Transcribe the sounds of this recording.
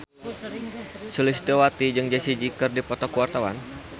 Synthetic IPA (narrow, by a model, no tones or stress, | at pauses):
sulisi̥t̪iwat̪id͡ʒɨŋd͡ʒasid͡ʒikɨrdipɔt̪ɔkəwart̪awa̰n